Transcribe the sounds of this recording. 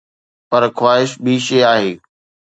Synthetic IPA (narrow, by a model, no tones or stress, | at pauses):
pɐɾxwaːɦɪʃbʱiʃeaːɦeː